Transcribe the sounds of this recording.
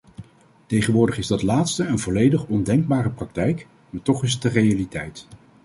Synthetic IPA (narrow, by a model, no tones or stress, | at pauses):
tejχənʋʊːɹdəχɪzdɑtlaːtstəənvɔlejdəχɔndɛŋɡ̚baːrəprɑk̚tɛjk | maːɹtɔχɪsət̚dərejalitɛjt